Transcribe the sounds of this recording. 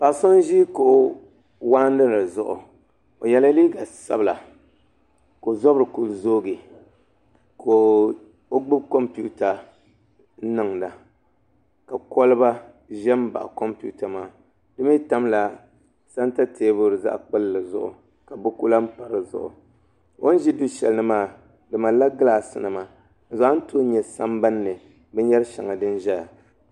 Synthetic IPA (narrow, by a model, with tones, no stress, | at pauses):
pa˨so˦n˦ʒi˦ko˨ | waː˦n˦dɨ˦lɨ˨zʊ˦ʔʊ̰˨ | o˨jɛ˦la˦li˦ɡa˨sa̰˦bla˨ | ko˨zɔ˦bɾɨ˨ku˨lzoː˦ɡi˨ | kʰo˨ | o˦ɡ͡bɨ˦bkɔ˦mpu˦ta˨˦ | nɨ˨ŋda˨ | ka˨ko˦lɨ˦ba˦ | ʒɛ˦m˦ba̰˨ʔʊ̰˨ko˦mpṵ˦ta˨maː˦ | dɨ˦mi˦ta˦mla˨ | sa˦n˦ta˦tʰeː˦bʊ˦ɾɨ˨za̰˦ʔk͡pɨ˦llɨ˨zʊ̰˦ʔʊ̰˨ | ka˨bʊ˦ku˦la˦m̩˦pa˨ɾɨ˨zʊ̰˨ʔʊ̰˨ | wo˦n˦ʒi˦du˦ʃɛ˨lnɨ˦maː˦˨ | dɨ˨ma˨la˦ɡla˨sɨ˨nɨ˨ma˨ | n̩˨za˨a˦n̩˦to˦ɲɛ˨sa˦mba˦nːɨ˨ | bɛ˦ɲɛ˦ɾɨ˦ʃa˨ŋa˨dɨ˦n˦ʒɛ˦la˨